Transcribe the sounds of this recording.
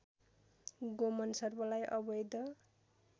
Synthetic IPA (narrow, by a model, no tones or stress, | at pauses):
ɡomʌnsʌrbʌlajʔʌbʌjd̪ʌ